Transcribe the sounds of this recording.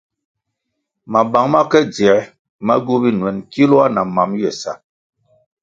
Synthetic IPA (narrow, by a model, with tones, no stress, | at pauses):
ma˨ba˨˦ŋma˦kɛ˦d͡zɛ˨˦ | ma˦ɡu˦bi˦nwɛ˨nki˦lu˦a˦na˨ma˨mjɛ˨sa̰˨